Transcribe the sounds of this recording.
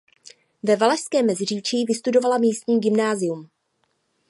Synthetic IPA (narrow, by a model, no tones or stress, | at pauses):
vɛvalɛʃskɛːmːɛzɪr̝iːt͡ʃiːvɪst̪udo̞valamiːst̪ɲiːɟɪmnaːzɪum